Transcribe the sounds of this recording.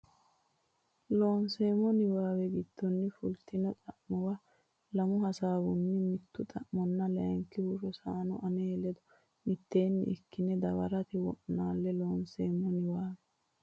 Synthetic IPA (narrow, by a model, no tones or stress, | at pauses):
loːnseːmɔnɪwaːwɛɡɪd̪̥ːɔnːɪfʊlt̪ʰɪnɔt̪ʼɐʔmɔwɐ | lɐmʊhɐsaːbʊnːɪmɪt̪ːʊt̪ʼɐʔmɔnːɐlɛjɐŋkːɪhʊʃɔsaːnɔ̰ʔɐneːlɛd̪ɔ | mɪt̪ːe̞ːnːɪ̰ɪkːɪnɛd̪ɐwɐ̰ɾɐt̪ɪwɔʔnaːlːɛloːnseːmːɔnɪwaːwɛ